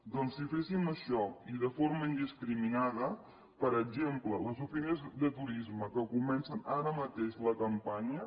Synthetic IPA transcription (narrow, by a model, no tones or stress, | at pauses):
d̪ɔnsːifesiməʃɔiðəfoɾməind̪iskɾiminaðə | pəɾəɡd͡ʒemplələzufinezðət̪uɾizməkəkumɛnsənaɾəmət̪eʃləkəmpaɲə